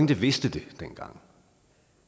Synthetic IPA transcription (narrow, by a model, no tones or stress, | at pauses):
ŋd̥əʋe̝sd̥əd̥e̝d̥en̰ɡ̥ɑ̈ŋ̰